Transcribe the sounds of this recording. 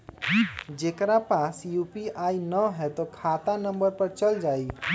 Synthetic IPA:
d͡ʒekɾapasjupiainəɦɛt̪ɔkʰat̪anəmbəɾpəɾt͡ʃəld͡ʒai

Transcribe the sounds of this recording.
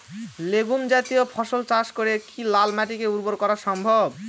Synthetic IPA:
leɡumd͡ʑat̪ijopʰɔʃolt͡ɕaʃkoɾekilalmaʈikeuɾboɾkɔɾaʃɔmbʱob

